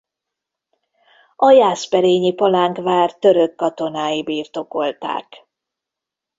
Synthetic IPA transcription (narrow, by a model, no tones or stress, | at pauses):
ɒjaːspɛɾeːɲipɒlaːŋkvaːrt̪ø̞ɾøkːɒt̪o̞naːjibiːrt̪o̞ko̞lt̪a̰ːk